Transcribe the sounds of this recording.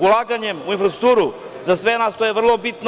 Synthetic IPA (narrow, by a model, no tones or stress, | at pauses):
ulˠaɡaɲɛmuinfɾasɾ̥uk̚t̪uɾu | zasʋɛnast̪ojɛvr̩lˠobit̪n